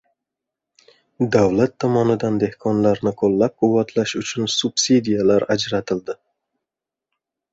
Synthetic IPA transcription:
d̪awlat̪ʰːɒmɒnɪd̪and̪e̞hkʰɒnlaɾnɪqʰolːap̚qʰʊwːat̪ʰlaʃʊt͡ʃʰʊnsub̥sid̪ijalaɾad͡ʒɾat̪ʰɪld̪ɪ

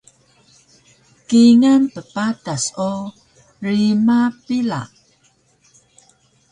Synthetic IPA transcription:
kiŋanpəpataso | rimapila̰ʔ

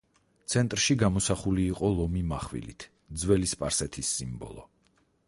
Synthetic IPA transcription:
t̪sʰɛnt̪ʼɾʃiɡamɔsaχuliːqʼɔlˠɔmimaχwḭlḭt̪ʰ | d̪zwɛlispʼaɾsɛt̪ʰisːimbɔ̰lˠɔ̰

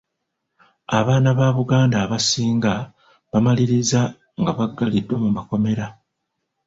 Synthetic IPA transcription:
aβaːnaβaβuɡaːndaːβasiːŋɡa | βamaliɾiza | ŋɡaβaɡːalidwomumako̞me̞ɾa

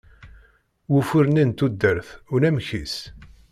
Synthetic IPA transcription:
wufʊɾnint̪ud̪ːəɾθʊɾæmçis

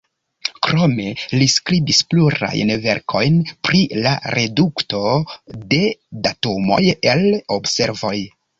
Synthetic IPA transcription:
kɾo̞me̞liskɾibispluɾa̰jnve̞ɾkʰo̞̰jnpɾila̰ɾe̞dukto̞de̞datomo̞̰jelobse̞ɾvo̞j

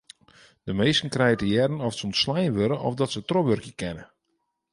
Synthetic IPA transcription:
d̥əmeːstən̩krɛjətəjɛrənɔftsɔnsslɛjnʋøɾəʔɔ̰fdɔtsətroʋørkjəkɛnə

